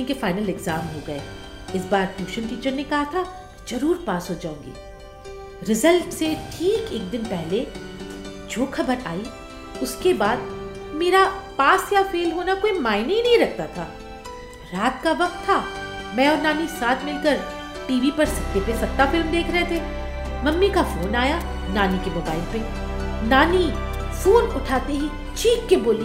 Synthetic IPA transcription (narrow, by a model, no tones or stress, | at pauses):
ĩkefaːɪnəlɛɡzaːmɦoɡɐḛː | ɪsbaːɾʈjuːʃənʈiːt͡ʃəɾnekɐɦat̪ʰa | z̥ɐɾuːɾpaːsɦoːd͡ʒaːũːŋɡḭː | ɾɪzəlʈseʈʰiːkeːk̚d̪ɪnpɛɦle | d͡ʒoːxʰɐbəɾaːi | ʊskebaːd̪ | meːɾapaːsjafeːlɦoːnakoːimaːɪnɪ̃nɐɦĩɾɐk̚ʰt̪at̪ʰaː | ɾaːt̪̚kaʋɐq̚t̪ʰːamɛ̃ɔːɾnaːnisaːt̪ʰmɪlkəɾ | ʈiːʋipɐɾsɐt̪ːepesɐt̪ːafɪlmd̪eːkʰɾɐɦet̪ʰeː | mɐmːikafoːnaːja | naːnikemoːbaːɪlpe | naːni | foːnʊʈʰaːt̪eɦi | t͡ʃiːkːeboːliː